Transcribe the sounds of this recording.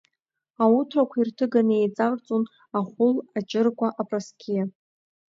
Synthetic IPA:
autʰrakʷʰairtʰɨɡanejt͡sʼart͡sʼon | aχʷʊlat͡ʃʼɪrkʷʰaʔapʼraskʲʰija

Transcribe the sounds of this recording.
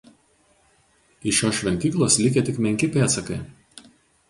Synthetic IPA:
ɪʃʲoːsʃʲʋʲɛnʲt̪ʲiːklˠoːslʲɪkʲet̪ʲɪkmʲɛŋʲkʲɪpʲeːt̪sɐkɐɪ

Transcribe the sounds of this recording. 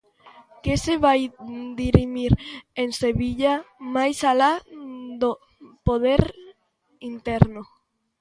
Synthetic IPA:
keseβajd̪iɾimiɾeŋseβiʎamajsalad̪o | poð̞eɾ | int̪ɛɾno

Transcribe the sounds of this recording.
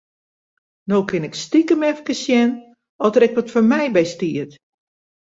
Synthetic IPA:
nokʰɪnɛkstikəmɛfkəsjɛn | ɔdəɾɛk̚ʋɔtfɔrmɛjbɛjstiət

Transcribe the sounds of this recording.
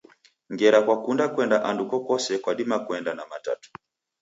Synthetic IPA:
ŋɡɛɾakwakundakwɛndaʔandukɔkɔsɛkwaɗimakwɛndanamata̰tu̥

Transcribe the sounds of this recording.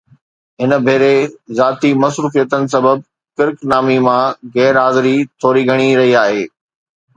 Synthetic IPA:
ɦɪnə̆bʱeːɾezaːt̪imɐsɾuːfijət̪ənɪ̆s̬ɐbəb̚ | kɪɾknaːmimãɣɛːɾɦaːzɪɾit̪ʰoːɾiɡʱɐɽ̃iɾɐɦiaːɦeː

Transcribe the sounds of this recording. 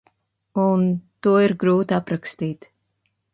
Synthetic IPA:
unt̪uɔiɾɡɾuːt̪apɾakst̪iːt̪

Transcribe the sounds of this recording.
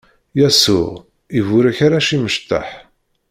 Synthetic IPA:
jæsʊ̰ʁ | ivʊɾæçaɾaʃiməʃt̪ːa̰ħ

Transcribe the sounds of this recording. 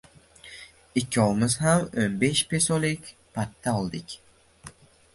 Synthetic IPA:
ikʲʰːiolˠmɨzɦamonbeʃpʰesolˠikʲpʰat̪ʰːaɔlˠd̪ɪkʲ

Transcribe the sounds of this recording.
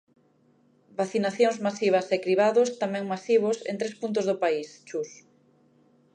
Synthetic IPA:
baθinaθjoŋzmasiβ̞ɐsekɾiβ̞aðʊst̪amɛ̃ŋmasiβ̞osḛnt̪ɾespunt̪̬ʊzðʊpaist͡ʃus

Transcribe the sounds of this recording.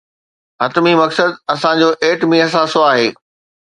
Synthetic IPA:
ɐt̪mimɐksəd̪ɐsãd͡ʑoːʔeːʈmĩɦɐs̬aːsoaːɦeː

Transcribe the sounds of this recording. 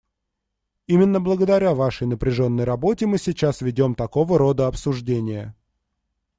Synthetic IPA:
imʲɪnːəblˠəɡəd̪ɐɾʲavaʂəjnəpɾʲɪʐo̞nːəjrɐbo̞tʲɪmɨsʲɪt͡ɕasvʲɪdʲo̞mt̪ɐko̞vəɾo̞d̪əɐpsʊʐdʲenʲɪjə

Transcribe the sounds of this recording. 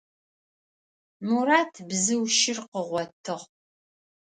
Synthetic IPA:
muɾaːtʰbzɨwʃɪrqəʁʷɔtʰɨʁ

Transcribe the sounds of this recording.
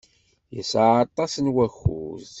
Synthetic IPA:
jəsaɑt̪ˤːɑsənwæxːṵz

